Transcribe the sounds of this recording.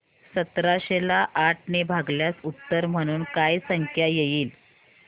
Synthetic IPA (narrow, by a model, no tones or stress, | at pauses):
sət̪ɾaɕelaʔːʈʰnebʱaɡljasut̪ːəɾm̤əɽ̃uːnkajsəŋkʰjajejiːl